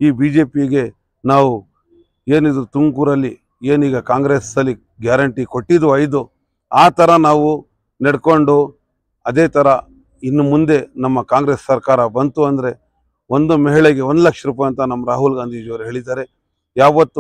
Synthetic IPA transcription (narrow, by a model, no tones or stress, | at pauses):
iːbiːd͡ʒe̞ːpiɡe̞ | naːʋu | e̞ːnid̪ɾut̪uŋkuɾɐlːi | e̞ːniːɡɐkaːŋɡɾesɐlːi | ɡjaːɾɐɳʈiko̞ʈːid̪uɐjd̪u | aːt̪ɐɾɐnaːʋu | neɽko̞ɳɖu | ɐd̪e̞ːt̪ʰɐɾɐ | inːumund̪e̞nɐmːɐkaːŋɡɾe̞sːɐɾkaːɾɐbɐnt̪uɐnd̪ɐɾe̞ | o̞nd̪umɛɦiɭeɡe̞o̞nd̪lɐkʂɐɾuːpaːjɐnt̪ɐnɐmːɐɾaːɦulɡaːnd̪ʱiːd͡ʒɐʋɾuɦe̞ːɭid̪aːɾe̞ | jaːʋɐt̪ːu